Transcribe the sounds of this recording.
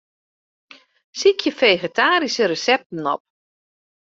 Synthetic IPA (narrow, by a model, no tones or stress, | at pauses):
sikʰjəfejɣetʰaːɾisərəsɛp̚tən̩ɔ̰p̚